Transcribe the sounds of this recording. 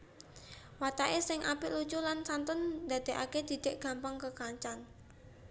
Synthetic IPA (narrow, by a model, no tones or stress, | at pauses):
wat̪aʔesɪŋʔapilut͡ʃulansant̪ʊnd̪a̤d̪̥e̤ʔaked̪̥i̤d̪̥e̤ʔɡ̥a̤mpaŋkəkaɲt͡ʃan